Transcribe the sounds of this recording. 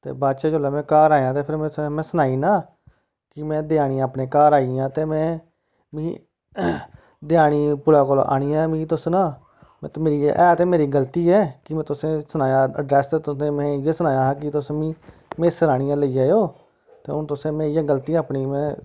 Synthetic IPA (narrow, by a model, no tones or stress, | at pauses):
t̪ḛːbaːtʃeːd͡ʒoːlaːmɛ̃ːkaːɾaːjãːt̪eːpʰɪɾmɛ̃mɛ̃ːsənaːiːnaː | kɪmɛ̃ːd̪ɪjaːɽ̃iːaːpneːkaːɾaːiãːt̪eːmɛ̃ː | mĩː | d̪ɪjaːɽ̃iːpʊlaːkoːlo̰ʔa̰ːɽ̃iːãːmĩːt̪ʊsnãː | m̰̃ːt̪meːɾḭːʔɛːt̪eːmeːɾiːɡəlt̪iːɛːkɪmɛ̃ːt̪ʊsẽːsənaːjãːə̰ɖɾɛːst̪ːt̪ʊẽːmɛ̃ːjeːsənaːjãːɦk̬ɪt̪ʊsmĩː | meːsəɾaːɽ̃ijãːləiːjaːjoː | t̪ḛːʊnt̪ʊsẽːmẽːiːãːɡəlt̪iːaːpniːmɛ̃ː